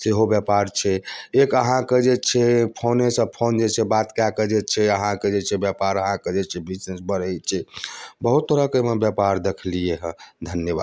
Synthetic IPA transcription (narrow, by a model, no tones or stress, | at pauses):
seɦobjapaɾt͡ʃʰɛekəɦãked͡ʒet͡ʃʰɛpʰonesəb̚pʰond͡ʒet͡ʃʰɛbat̪kjakəd͡ʒɛt͡ʃʰɛəɦãked͡ʒet͡ʃʰɛbjapaɾəɦãked͡ʒet͡ʃʰɛbisesbəɾəjt͡ʃʰɛbəɦut̪ːoɾakemebjapaɾd̪ekʰlieɦd̪ʱənjəba̰d̪